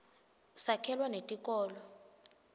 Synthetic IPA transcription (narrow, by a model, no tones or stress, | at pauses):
sakʰɛlwanetʼikʼɔːlɔ